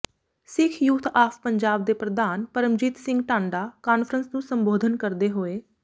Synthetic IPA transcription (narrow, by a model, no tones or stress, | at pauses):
sɪkʰjuːt̪ʰaːpʰpəɲd͡ʒaːb̚d̪eːpɾəd̪aːnpəɾəmd͡ʒiːt̪sɪ̃ŋɡʈãːɳɖaːkaːnfʰəɾənsnũːsəmboːd̪ʱənkəɾd̪eːɦoːeː